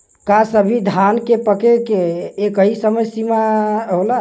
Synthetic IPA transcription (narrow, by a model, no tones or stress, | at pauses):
kasəbʱid̪ʱankepəkekeːkəɦisəməjsimaɦola